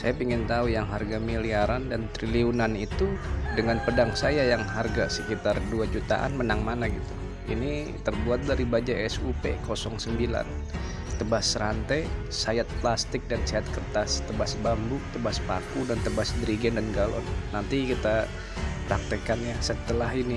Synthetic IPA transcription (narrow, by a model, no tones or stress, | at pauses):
sajapiŋɪnt̪aujaŋɦarɡamiliaɾandant̪ɾiliunanit̪udəŋanpədaŋsajajaŋɦarɡasəkit̪arduad͡ʒut̪a̰ʔa̰nmənaŋmanaɡit̪u | ini | t̪ərbuat̪̚daɾibad͡ʒaɛsupḛkosɔŋsəmbila̰n | t̪əbasəɾant̪aj | sajat̪̚plast̪ɪk̚dansaat̪̚kərt̪ast̪əbasbambʊt̪əbaspa̰kudant̪əbasdɾiɡɛndanɡalɔ̰nːant̪ikit̪a | pɾak̚t̪əkanjasət̪əlaɦini